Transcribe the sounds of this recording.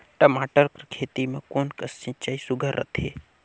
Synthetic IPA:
ʈəmaːʈəɾkɾkʰeːt̪imẽkoːnkəst͡ʃɪ̃t͡ʃaːisʊɡʱəɾːə̰t̪ʰe

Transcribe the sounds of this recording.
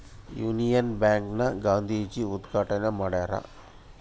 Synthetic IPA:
juːnijɐnbjaːŋknɐɡaːnd̪ʱiːd͡ʒiud̪ɡʱaːʈɐnɐmaːɽaːɾɐ̰

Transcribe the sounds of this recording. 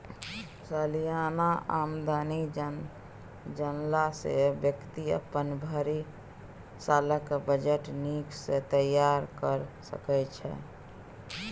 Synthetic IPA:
səlijanaamd̪ani | d͡ʒənlasḛbjəkt̪iə̰pənbʱəɾi | saləkbəd͡ʒeʈniksẽt̪əjaɾkəɾsə̰kɛt͡ʃʰɛ̰

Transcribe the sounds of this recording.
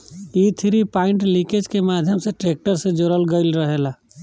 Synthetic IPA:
iːt̪ʰɾipaːɪ̃ɳʈlĩked͡ʒkemaːd̪ʱjəmseʈɾeːk̚ʈəɾsed͡ʒoːɾəlɡəɪlɾəɦeːla

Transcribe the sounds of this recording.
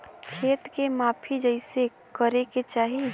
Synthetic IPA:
kʰeːt̪kemaːpʰid͡ʒəɪse | kəɾeket͡ʃaːɦi

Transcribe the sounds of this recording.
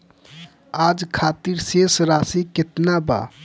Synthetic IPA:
ad͡ʒkʰat̪iɾsesɾasiket̪naba̰

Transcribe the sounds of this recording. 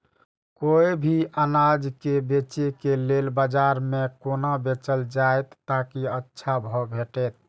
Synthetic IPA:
koibʱiʔənad͡ʒkebet͡ʃekelelbəd͡ʒaɾmekonabet͡ʃəld͡ʒaet̪ːakiətːʃʰabʱɔbʱeʈɛt̪̚

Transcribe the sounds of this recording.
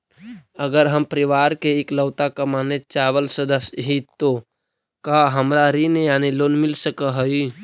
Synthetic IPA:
əɡəɾɦəmpəɾɪʋaːɾkeekləʊt̪akamaːnet͡ʃaːʋəlsəd̪əsɦit̪o | kaɦəmɾaɾinejaːniloːnmɪlsəkəɦoi

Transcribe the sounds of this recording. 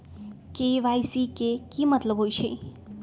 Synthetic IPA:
keʋajsikekimʌt̪ləbɦojt͡ʃʰəj

